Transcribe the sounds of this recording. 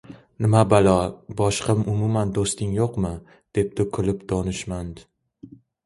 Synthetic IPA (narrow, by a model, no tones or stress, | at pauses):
nɪmabalɒbɒʃqɨmʊmumand̪ost̪ɪŋjoqmɪ | d̪̥e̞p̚d̪̥ɪkʰʊlɪpd̪̥ɒnɪʃmand̪